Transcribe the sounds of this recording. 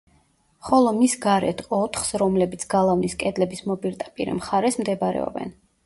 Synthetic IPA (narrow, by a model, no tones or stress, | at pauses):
χɔlˠɔmisɡaɾɛ̰t̪ʰɔt̪ʰχsɾɔmlɛbit̪sʰɡalˠavniskʼɛd̪lɛbismɔbʼiɾt̪ʼapʼiɾɛ̰mχaɾɛsmd̪ɛbaɾɛ̰ɔ̰bɛ̰n